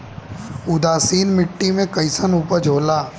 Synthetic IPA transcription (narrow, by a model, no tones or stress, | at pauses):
ʊd̪aːsiːnmɪʈːimẽkɐɪsənuːpəɾd͡ʒʱoːlaː